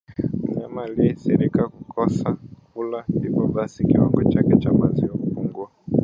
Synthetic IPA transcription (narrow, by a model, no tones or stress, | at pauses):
m̩ɲamaliɛsiɾikakukʰɔsakulandipɔɓasikiwa̰ŋɡɔt͡ʃakɛt͡ʃamaziɔkufuŋɡwa